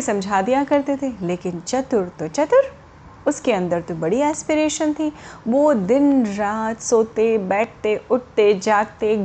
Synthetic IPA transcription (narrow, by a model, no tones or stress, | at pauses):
sɐ̃md͡ʒʱaːd̪ijãkɐɾt̪et̪ʰeleːkɪnt͡ʃɐt̪ʊɾt̪ot͡ʃɐt̪ʊɾ | ʊskeɐ̃nd̪əɾt̪obɐɽiɛːspɪɾeːʃənt̪ʰiʋoːd̪ɪnɾaːt̪soːt̪ebɛːʈ̚ʰt̪eʊʈ̚t̪ed͡ʒaːɡ̚t̪e